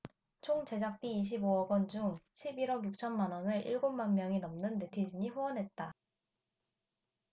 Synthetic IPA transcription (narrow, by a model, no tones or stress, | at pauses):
t͡ɕʰoŋd͡ʑe̞d͡ʑak̚p͈iːɕ̬ʰiboʌɡwʌnd͡ʑuŋɕʰibiɾʌɡjuk̚t͡ɕʰʌnmanʌnɯɾʔiɭɡonmanmjʌŋinʌmnɯnte̞tʰid͡ʑiɲiɸoʌnɦe̞t̚t͈a